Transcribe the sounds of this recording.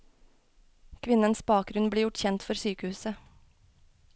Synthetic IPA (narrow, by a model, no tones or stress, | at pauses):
kʰʋɪnənsbɑːk̚ɡɾʉnbliːjʊʈçɛnt̪fɔɾsyːkəhʉːsə